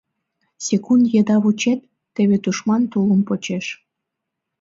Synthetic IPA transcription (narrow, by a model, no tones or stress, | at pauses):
sʲekund̪jed̪ɑβut͡ɕet̪ː | eβet̪uʃmɑnt̪uləmpot͡ɕeʃ